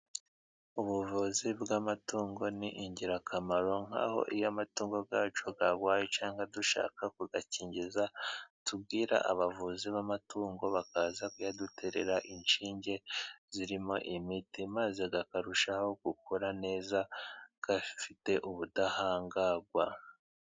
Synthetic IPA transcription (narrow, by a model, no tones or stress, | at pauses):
uβuvuzibɡamatuːŋɡo̞niʔiɲɟiɾakʰamaɾo̞ŋ̥ha̰ːho̞̰ʔijamatuːŋɡo̞ɡaːt͡ʃoɡaɡwaːjet͡ʃaːŋɡaduʃa̰ːkakuɡaciːɲɟizatub̚ɡiːɾa̰ʔaβavuziβamatuːŋɡo̞βakaːzakujadutʰe̞ɾe̞̰ɾaʔinʃiːɲɟe̞ziɾimo̞ʔimitimaze̞ɡakaɾuʃaho̞ɡ̥ukuɾane̞ːzaɡ̥afite̞ʔuβudahaːŋɡaɡwa̰